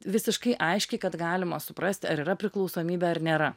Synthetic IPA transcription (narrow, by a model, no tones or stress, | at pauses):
ʋʲɪsʲɪʃkɐɪʔɐɪʃʲkʲɛɪkɐt̪ɡɑːlʲɪmɐsʊpɾɐsʲt̪ʲɐɾiːɾɐpʲɾʲɪklˠɒʊsoːmʲiːbʲɛɐɾnʲeːɾɐ